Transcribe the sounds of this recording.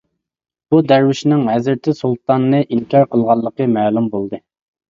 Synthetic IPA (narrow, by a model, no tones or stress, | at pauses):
b̥ud̪æɾwɪʃnɪŋhæzɾt̪ʰɪsulˠt̪ɑnːɨʔiŋkʰʲɑɾqəlˠʁɑlˠːəqəmæːlumbolˠd̪ɨ